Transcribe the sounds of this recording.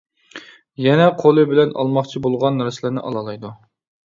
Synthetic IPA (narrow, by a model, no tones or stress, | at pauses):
jɛnɛqʰolˠɨbɪlɛnɑ̰lˠmɑχt͡ʃʰibolˠʁɑnːɾɪsɪlɪnɪ̰ʔɑ̰lˠɑlˠɑjd̪u